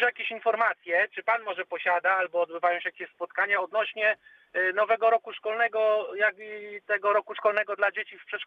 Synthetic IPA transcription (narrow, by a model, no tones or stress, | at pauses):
jakʲeɕinfɔɾmat̪sʲjɛt͡ʂɘpanmɔʐɛpɔɕad̪aalbɔːd̪bɘvajɔw̃ɕɛjakʲeɕspɔt̪̚kaɲaɔd̪nɔɕɲɛ | nɔvɛɡɔɾɔkuʂkɔlnɛɡɔjaɡit̪ɛɡɔɾɔkuʂkɔlnɛɡɔd̪lad͡ʑet͡ɕifpʂɛt̪ʂ